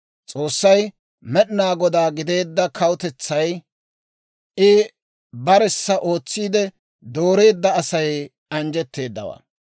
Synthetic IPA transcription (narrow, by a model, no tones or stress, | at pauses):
t͡sʼo̞ːsːɐj | mɛɗɪnaːɡɔd̪aːɡɪd̪e̞ːd̪ːɐkʰɐwʊt̪ɛt͡sːɐj | ɪ | bɐɾɛsːɐʔo̞ːt͡sːiːd̪ɛ | d̪o̞ːɾe̞ːd̪ːɐːsɐj | ɐnd͡ʒɛt̪ːe̞ːd̪ːɐ̰wa̰ː